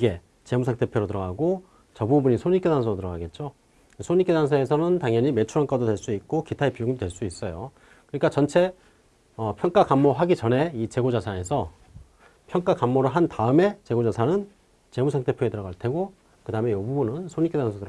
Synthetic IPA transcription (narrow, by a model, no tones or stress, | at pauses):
iɡe̞ | t͡ɕe̞musʰaŋt͈ʰepʰjoɾotɯɾʌɡaɡo | t͡ɕʌbubuɲisʰoɲik͈edansʰoɾotɯɾʌɡaɡe̞t̚t͡ɕ͈o | sʰoɲik͈edansʰae̞sʰʌnɯntaŋjʌɲime̞t͡ɕʰuɾank͈ʰadodwe̞ɭs͈uit̚k͈okitʰaipioɡidwe̞ɭs͈uis͈ʌjo | kɯɲik͈at͡ɕʌnt͡ɕʰe̞ | ʌpʰjʌŋk͈akamːoɦaɡit͡ɕʌne̞it͡ɕe̞ɡod͡ʑasʰae̞sʰʌ | pʰjʌŋk͈akamːoɾɯɭɦantaɯme̞t͡ɕe̞ɡod͡ʑasʰanɯn | t͡ɕe̞musʰaŋt͈ʰe̞pʰjoetɯɾʌɡaɭtʰe̞ɡo | kɯdaɯmejobubunɯnsʰoɲik͈edansʰoɯ